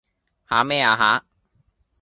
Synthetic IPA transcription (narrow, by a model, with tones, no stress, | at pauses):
haː˨˥mɛː˥˩aː˨˧ɦaː˨˥